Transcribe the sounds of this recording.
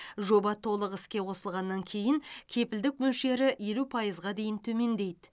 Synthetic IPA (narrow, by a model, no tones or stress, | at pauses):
ʒo̞bɑt̪ʰo̞lˠəqɪskʲe̞wo̞səlˠʁɑnːɑŋkʲʰe̞jɪŋkʲʰe̞pɪld̪ɪk̚mɵlʃe̞ɾɪje̞lupʰɑjəzʁɑd̪e̞jɪnt̪ʰɵme̞nd̪e̞jd̪ɪ